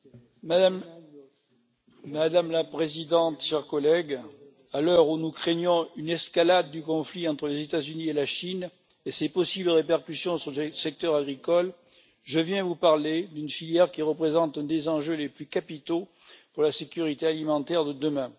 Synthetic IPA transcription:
mad̪amlapχezid̪ɑ̃t̪ʃɛʁkɔlɛɡ | alœʁunukχeɲjɔ̃ynɛskalad̪ːykɔ̃fliɑ̃t̪χəlezet̪azynielaʃin | esepɔsibləʁepɛʁkysjɔ̃syʁləsɛk̚t̪œʁaɡʁikɔl | ʒəvjɛ̃vupaʁled̪ynfiljɛʁkʲiʁəpχezɑ̃t̪ɛ̃d̪ezɑ̃ʒøleplykapit̪o | puʁlasekʲyʁit̪ealimɑ̃t̪ɛʁd̪əd̪əmɛ̃

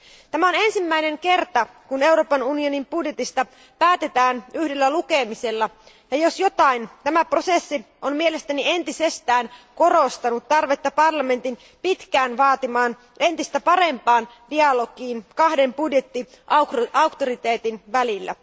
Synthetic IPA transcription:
t̪æmæo̞ne̞nsimːæine̞ŋke̞rt̪ɑkune̞wɾo̞ːpɑnunio̞nimbudje̞t̪ist̪ɑ | pæːt̪e̞t̪æːnyhdelːælukemise̞lːɑ | jɑjo̞sjo̞t̪ɑint̪æmæpro̞sesːi | onmiele̞st̪ænie̞nt̪isest̪æːnko̞ro̞st̪ɑnut̪ːɑrʋe̞t̪ːɑpɑrlɑme̞nt̪in | pit̪kæːnʋɑːt̪imɑːn | e̞nt̪ist̪æpɑɾe̞mpɑːn | diɑlo̞ɡiːnkɑhde̞mpudje̞t̪ːi | ɑukt̪oɾit̪e̞ːt̪inʋælilːæ̰

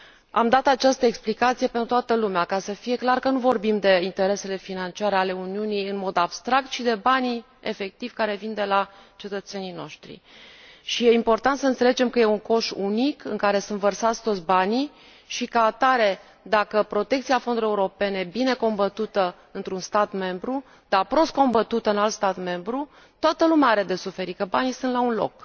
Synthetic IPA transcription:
a̰md̪at̪at͡ʃast̪əeksplikat̪sije̞pent̪ɾut̪oat̪əlumeakasəfije̞klarkənuvo̞rbimd̪e̞int̪e̞ɾe̞se̞le̞finant͡ʃiaɾeale̞uniunijɨnmo̞d̪ab̥st̪ɾak̚t̪ʃid̪e̞bani | efe̞k̚t̪ivʲkaɾe̞vind̪e̞lat͡ʃe̞t̪ət̪se̞nijno̞̰ʃt̪ɾḭʃije̞impo̞rt̪ant̪səɨnt̪se̞led͡ʒe̞mkəje̞uŋko̞ʃunikɨŋkaɾe̞sɨnvərsat̪sʲt̪ot̪sʲbani | ʃikəat̪aɾe̞ | d̪akəpɾo̞t̪e̞kt̪siafond̪uɾije̞uɾo̞pe̞nebine̞ko̞mbət̪ut̪ə | ɨnt̪ɾunst̪at̪me̞mbɾu | d̪̥apɾo̞st̪ko̞mbət̪ut̪əɨnalt̪st̪at̪me̞mbɾu | t̪oat̪əlumeaaɾe̞d̪e̞sufe̞ɾikəbanijsɨnt̪launlo̞̰k

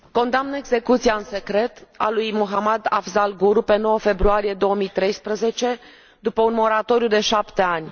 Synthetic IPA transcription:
ko̞nd̪amnəeɡze̞kut̪sijaɨnse̞kɾe̞t̪a̰lujmuɦamad̪a̰fzalɡuɾupe̞no̞wəfe̞bɾuaɾije̞d̪o̞əmijt̪ɾe̞jspɾəze̞t͡ʃe̞ | d̪upəunmo̞ɾat̪o̞ɾjud̪e̞ʃapt̪e̞anʲ

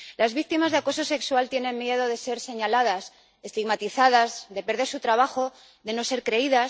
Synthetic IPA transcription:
lazβik̚t̪imazðeako̞so̞se̞kswalt̪je̞nemːje̞ð̞o̞ð̞e̞se̞ɾse̞ɲalað̞as | e̞st̪iɣmat̪iθað̞azðe̞pe̞ɾð̞e̞ɾsut̪ɾaβ̞axo̞ | ðe̞no̞se̞ɾkɾe̞iðas

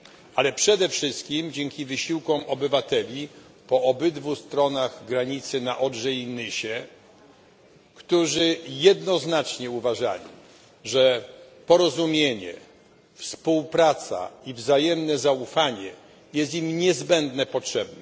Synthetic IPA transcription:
alɛpʂɛd̪ɛfʂɘst̪̚kʲimd͡ʑɛŋkʲivɘɕiwkɔmɔbɘvat̪ɛlʲi | pɔɔbɘd̪vust̪ɾɔnaɣɡɾaɲit̪sɘnaʔɔdʐɛjnɘɕɛ | kt̪uʐɘjɛd̪nɔznat͡ʂɲɛuvaʐa̰lʲḭ | ʐɛpɔɾɔzumʲjeɲɛ̰ | fspuwpɾat̪sa̰ivzajɛmnɛzaufaɲɛ | jɛst̪imɲɛzbɛnd̪nɛpɔtʂɛbnɛ

